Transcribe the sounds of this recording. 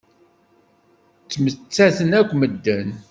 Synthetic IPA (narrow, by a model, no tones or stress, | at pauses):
t͡sːmət͡sːæθənækʷːməd̪ːən